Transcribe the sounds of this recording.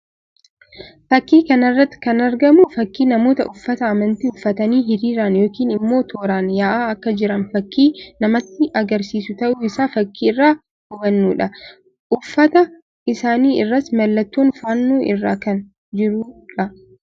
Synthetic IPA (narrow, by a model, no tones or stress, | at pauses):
fɐkːiːkɐnɐrːɐt̪ːɪ̥kɐnɐɾɡɐmʊfɐkːiːnɐmo̞ːt̪ɐ̰ʔʊfːɐt̪ɐɐmɐnt̪iʊfːɐt̪ɐniːɦɪɾiːɾanjo̞ːkiːnɪmːo̞ːt̪ʰoːɾaːnjaːʔaːɐkːɐd͡ʒɪɾɐnfɐkːiːnɐmɐt̪ːɪʔɐɡɐɾsiːsʊt̪ɐʔʊɪsaːfɐkːiːɪrːaː | hʊbɐnːuːᶑɐ | ʔʊfːɐt̪ɐ | ʔɪsaːniːɪrːɐsmɐlːɐt̪ːuːnfaːnːuːʔɪrːaːkɐn | d͡ʒɪɾuᶑɐ